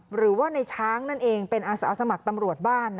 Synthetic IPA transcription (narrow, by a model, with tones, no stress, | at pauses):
ɾɯː˩˦waː˥˩na˧jt͡ɕʰaː˦˥ŋna˥˩nʔeː˧ŋpe˧nʔaː˧sa̰ː˩˦sa˧ma˨˩k̚t̪a˧mɾu˨˩ət̪̚baː˥˩nː